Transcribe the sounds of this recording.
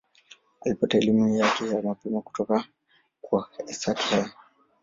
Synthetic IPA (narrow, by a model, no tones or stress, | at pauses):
alipataɛlimujakɛjamapɛmaku̥tɔka | kwaɛsati̥haja